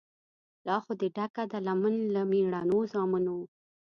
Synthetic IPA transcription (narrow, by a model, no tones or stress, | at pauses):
lɑxod̪əɖakad̪alamənlamiɽanozɑmuno